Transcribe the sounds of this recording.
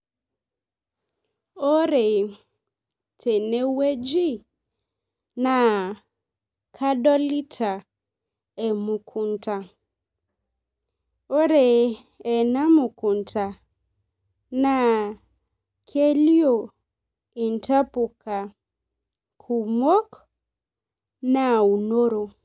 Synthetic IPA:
o˦ɾe˨ | tʰe˨ne˦we˦d͡ʒi˦ | na˨ | kʰa˦dɔ˦li˦tʰa˨ | ɛ˨mu˨kʰu˨n˦ta˨ | o˦ɾe˨ | ɛ˨na˦mu˨ku˨n˨ta˨ | na˨ | kʰe˦li˦o˨ | i˨n˨ta˦pu˨kʰa˨ | kʰu˨mo˦k | na˨u˨no˦ɾo˨

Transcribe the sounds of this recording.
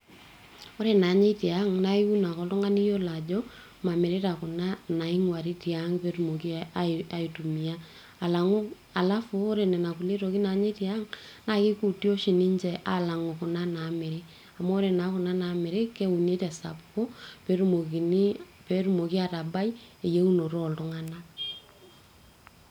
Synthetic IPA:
o˦ɾe˨na˨ɲe˦tja˦ŋna˦i˦u˦na˨kɔ˨tɔ˦ŋa˦ni˦jo˦la˨d͡ʒɔ˦ | ma˨me˨ɾe˦ta˨kʊ˨na˦na˨i˦ŋwa˨ɾi˦ti˨a˦ŋpe˦ɾumo˨ki˦aa˨i˨tu˨mi˨a˦˨ | la˨ŋ˦ | a˨la˦fu˦o˦ɾe˨nɛ˨na˨ku˨le˦to˨ki˦na˨ɲe˦tja˦ŋ | na˨kɪ˦ku˨tjo˦ʃi˨ni˦ɲd͡ʒɛ˨ʔa˨la˨ŋo˨kʊ˨na˦na˨me˨ɾe˦ | a˨mo˦ɾe˨na˨˦kʊ˨na˦na˨me˨ɾe˦ke˦u˨ne˦tɛ˨sa̰˨pko˦pe˦ɾuo˨k | pe˦ɾu˦mo˨ki˦a˨ta˨ba˦je˨je˦u˦no˨ɾɔ˦˨ltʊ˦ŋa˦na˦

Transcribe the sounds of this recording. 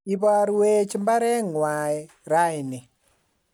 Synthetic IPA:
i˨ba˦ɾwe˦t͡ʃmba˦ɾɛ˦ŋwa˨ɛ | ɾa˦jnɪ˨

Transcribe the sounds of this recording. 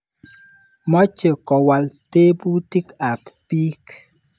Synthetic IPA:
mɔ˦t͡ʃə˨kɔ˨wa˨lte˦bu˦ti˦ka˨ppi˦k

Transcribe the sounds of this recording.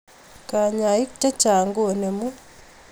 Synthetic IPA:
ka˨ɲa˨i˦kta˦t͡ʃa˨ŋɡo˦˨ne˨mu˦

